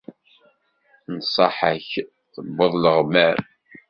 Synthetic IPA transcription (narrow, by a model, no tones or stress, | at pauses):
nsˤɑħəç | θəbːəðˤləʁmæɾ